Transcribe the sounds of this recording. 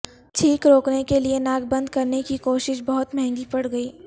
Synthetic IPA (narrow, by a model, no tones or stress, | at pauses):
t͡ʃʰiːkɾoːknekelienaːɡbɐ̃nd̪kɐɾnekikoːʃɪʃbɐɦʊt̪mɛɦɛ̃ŋɡipɐɽɡɐiː